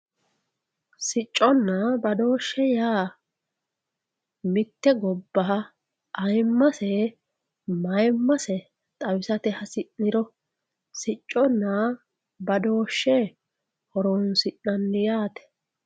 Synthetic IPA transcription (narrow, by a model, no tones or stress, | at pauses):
sɪt͡ʃʼːɔnːabɐd̪o̞ːʃːɛjaː | mɪt̪ːɛɡɔbːɐɦɐ | ʔɐjmːɐsɛ | mɐjmːɐsɛ | t̪ʼɐwɪsɐt̪ɛhɐsɪnːɪɾɔ | sɪt͡ʃʼːɔnːa | bɐd̪o̞ːʃːɛ | hɔɾoːnsɪnːɐnːɪjaːt̪ɛ̥